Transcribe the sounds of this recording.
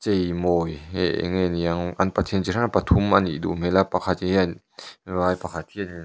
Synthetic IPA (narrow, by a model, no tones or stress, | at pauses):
t͡sejmɔjɛ̰ʔŋɛnjaŋʔanpat̪ʰiənt͡ɕiɾʰapat̪ʰumʔɐnʔḭdṵmɛlapakʰat̪̚i | vaːjpakʰat̪̚ʰːiəni